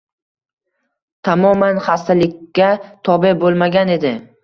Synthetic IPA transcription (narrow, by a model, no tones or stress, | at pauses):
t̪ʰamɒmanχast̪alɪkʲːat̪ʰɒbebolˠmaɡʲane̞d̪ɪ